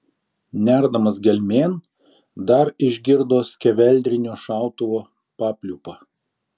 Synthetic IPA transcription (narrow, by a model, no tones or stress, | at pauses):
nʲæˑɾd̪ɐmɐs̬ɡʲɛlʲmʲeːn | d̪ɐɾɪʒʲɡʲɪɾd̪oːsʲkʲɛʋʲɛlʲd̪ʲɾʲɪnʲoːʃɑˑʊt̪ʊʋoː | pɑːpʲlʲʊpɐ